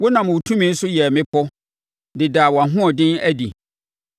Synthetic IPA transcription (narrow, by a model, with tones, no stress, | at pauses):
wʊ˦nã˨m˨wo˨tʰũ˦mĩ˦n̩˦sʊ˦jɛ˨mɪ̃˦pʰɔ˦ | dɪ˨daː˨wɔ˨a˨ɦʊ̃˦ɔ˨dɪ̃˦næ˦dḭ˨